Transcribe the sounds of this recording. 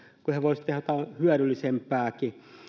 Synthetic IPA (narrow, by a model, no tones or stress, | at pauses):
kuheʋosʲt̪ehæot̪æhyæɾylːisempæːki